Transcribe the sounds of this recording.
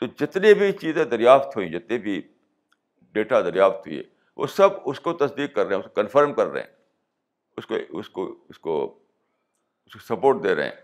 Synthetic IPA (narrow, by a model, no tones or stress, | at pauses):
t̪oːd͡ʒɪt̪nẽbʱit͡ʃiːzẽd̪ɐɾjaːft̪ɦʊĩd͡ʒɪt̪nẽbʱi | ɖeːʈad̪əɾjaːft̪ɦʊḭɛ̰ː | ʋʔo̰ːsəbʊskot̪ɐsd̪iːkːəɾːeɦɛ̃ʊskokənfʰəɾmkəɾːḛɦɛ̰̃ː | ʊsko̰ʊskoʊsko̰ː | ʊskosɐpoːɾʈ̚d̪eːɾḛɦɛ̰̃ː